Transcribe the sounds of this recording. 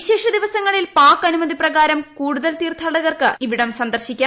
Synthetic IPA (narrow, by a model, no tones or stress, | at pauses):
ɕeːʂɐd̪iʋɐsɐŋːɐɭilpaːkːɐnumɐðiprɐɣaːɾɐmkuːɽuðɐlt̪iːrt̪ʰaːɽɐɣɐrkɨiʋiɽɐmsɐnd̪ɐrɕikʲːaː